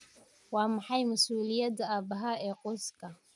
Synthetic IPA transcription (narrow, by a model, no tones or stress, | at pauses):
wɑːmɑħɑjmɐsuːlɪjɐd̪ɐaːbɐɦɐɛːqɔːskʰɐ